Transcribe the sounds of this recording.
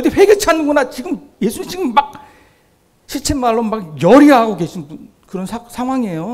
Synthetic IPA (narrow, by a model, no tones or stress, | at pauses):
deɸwe̞ɡet͡ɕʰanɯnɡʌnat͡ɕiɡɯm | je̞sʰuɲiːit͡ɕiɡɯmːak̚ | ɕʰit͡ɕʰemːaɭːonmak̚jʌɾiɦaɡoɡe̞ɕʰin | kɯɾʌnsʰasʰaŋɦwaŋejo